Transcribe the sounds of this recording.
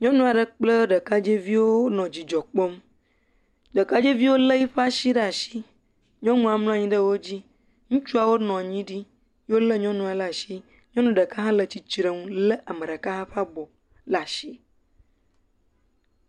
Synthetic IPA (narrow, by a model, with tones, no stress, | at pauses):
ɲɔ̃˦nũ˦a˨ɖə˦k͡plə˦ɖə˨ka˦d͡ʒe˦vi˦wo˦nɔ̃˨d͡ʑi˨d͡ʒɔ˨k͡po˦m | ɖə˨ka˦d͡ʒe˦vi˦wo˦lə˦ji˦ɸa˦ʃi˦ɖə˦a˨ʃi˦ | ɲɔ̃˦ŋũ˦a˨mlɔ̃˦a˨ɲĩ˦ɖə˦wo˦d͡ʑi˦ | ŋũ˦t͡ʃu˦a˨wo˦nɔ̃˨a˨ɲĩ˦ɖi˦ | jo˦lə˦ɲɔ̃˦nũ˦a˨la˨ʃi˦ | ɲɔ̃˦nũ˦ɖə˨ka˦ɦã˦lə˨t͡ɕi˨t͡ʃɾe˨ŋũ˦lə˦ʔa˨mẽ˨ɖə˨ka˦ɦã˦ɸa˦bɔ˨ | la˨ʃi˦